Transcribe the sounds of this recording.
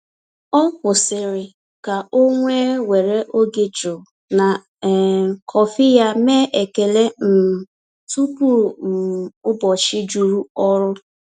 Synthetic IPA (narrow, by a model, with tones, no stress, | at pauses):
ɔ˦kʷʊ˨sɪ˨ɾɪ˨ | ka˨o˦ŋʷe˦we˨ɾe˦ʔo˦ɡɪ˨d͡ʒʊ˨ | na˨ | kʰɔ˨fɪ˦ja˦meː˦ʔe˨ke˨le˦n̩˨ | tu˦pu˦˨m̩˨ʊ˦bɔ˨t͡ʃɪ˦d͡ʒu˨ɾu˦ɔ˦ɾʊ˦